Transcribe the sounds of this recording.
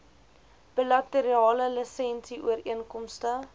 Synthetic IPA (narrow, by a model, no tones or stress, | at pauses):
b̥ilɐtəɾiɑːləlisɛnsiʔṵəɾiənkɔmstə